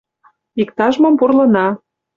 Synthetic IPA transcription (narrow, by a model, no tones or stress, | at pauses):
ikt̪ɑʒmɤ̆mpurlɤ̆nɑ